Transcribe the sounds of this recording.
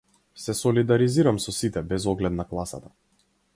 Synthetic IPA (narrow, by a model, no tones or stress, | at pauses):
sɛsɔlid̪aɾiziɾamsɔsit̪ɛbɛzɔɡlɛt̪naklˠasa̰t̪a